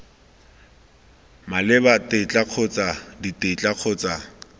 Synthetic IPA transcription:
malɪbatʼet͡ɬʼaq͡χʰʊt͡sʼaditʼet͡ɬʼaq͡χʰʊːt͡sʼa

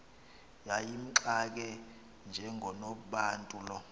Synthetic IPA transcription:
jajim̩ǁak̬ɛ | nd͡ʒʱɛŋʱɔnoɓuɓaːntʼulɔ

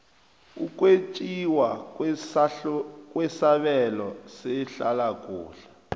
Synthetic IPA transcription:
uk̬ʼwet͡ʃʼiwa | k̬ʼwɛsaɓɛlɔsɛɬalakʼṵːɬa

